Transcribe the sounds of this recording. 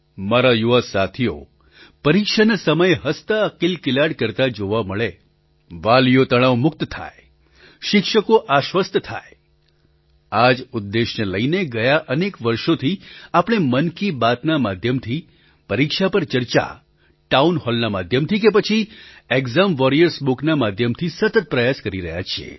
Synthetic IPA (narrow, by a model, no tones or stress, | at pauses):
maɾajuʋasat̪ʰio̰ | pəɾikʃanasəməjɦəst̪aəkilkɪlaɽkəɾt̪ad͡ʒoʋaməɭe | ʋalijot̪əɽ̃aʋmʊk̚t̪t̪ʰa̰e | ʃɪkʃəkoʔaʃʋəst̪ʰt̪ʰa̰j | ad͡ʒʊd̪ːeʃneləineɡəjaʔənekʋəɾʃot̪ʰiapɽ̃emənkibat̪namad̪ʱjəmt̪ʰi | pəɾikʃapəɾt͡ʃəɾt͡ʃa̰ | ʈaunhɔlnamad̪ʱjəmt̪ʰikepət͡ʃʰieɡzamʋɔɾijəɾsbuknamad̪ʱjəmt̪ʰisət̪ət̪̚pɾəjaskəɾiɾəɦja̰t͡ʃʰiḛ